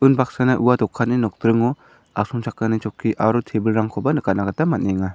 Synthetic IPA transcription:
unbak̚sanaʔuwadɔkʰːatninɔk̚d̪ɾɯŋɔ | ak̚sɔŋt͡ʃʰakːanit͡ʃɔkʰːiʔaɾutʰebɯlɾaŋkʰɔbanɯkat̚naɡat̪amat̚neŋa

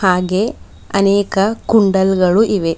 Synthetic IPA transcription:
haːɡe | ɐneːkɐkuɳɖɐlɡɐɭuʔiʋe

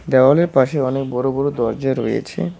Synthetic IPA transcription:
ɖ̪ɛoaleɾpaʃeɔnek̚bɔɾobɔɾod̪ɔɾd͡ʑaɾo̰jḛt͡ɕʰḛ

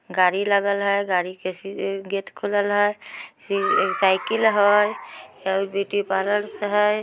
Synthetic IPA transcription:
ɡaɾiləɡəlɦəjɡaɾikesiɡet̪kʰuləlɦəjsisaɪkilɦɔjjabiʈipaɾəɾsəɦəj

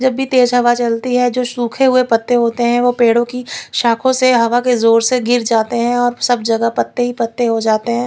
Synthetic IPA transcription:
d͡ʒɐbːit̪eːd͡ʒɦɐʋat͡ʃɐlt̪iɦɛd͡ʒoːʃuːkʰeɦʊepɐt̪ːeɦoːt̪eɦɛ̃ʋopeːɽõkiʃaːkʰõseɦɐʋakezoːɾseɡɪɾd͡ʒaːt̪eɦɛ̃ɔːɾsɐbd͡ʒɐɡəpɐt̪ːeɦipɐt̪ːeɦod͡ʒaːt̪eɦɛ̃ː

